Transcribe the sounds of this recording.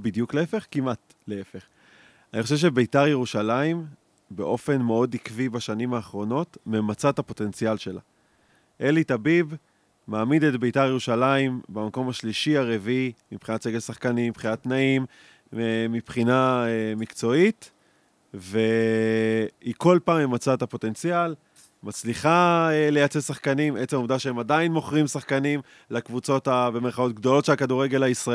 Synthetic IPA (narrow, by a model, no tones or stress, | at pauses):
bidjukleefe̞χkimʔat | leefe̞χ | aniχo̞ʃ̬evʃ̬e̞be̞jtaʁjeʁuʃalaim | be̞ʔo̞fe̞nme̞o̞dikvibaʃanimaːχʁo̞no̞tmemat͡sathapo̞te̞nt͡sialʃe̞la̰ | ʔe̞litabib | maːmidetbejtaʁjeʁuʃalaimbamako̞maʃliʃiaʁeviimipχinat̪seɡesaχkanimipχinatnaim | emipχinaemikt͡so̞it | ve̞ | iko̞lpaːmjemat͡saetapo̞t̪e̞nt͡sijal | mat͡sliχaele̞jat͡sesaχkanime̞t͡semomdaʃeemadainmo̞χʁimsaχkanim | lakvut͡so̞tabemeʁχao̞t̪̚ɡdo̞lo̞tʃelakaduʁe̞ɡe̞laisʁ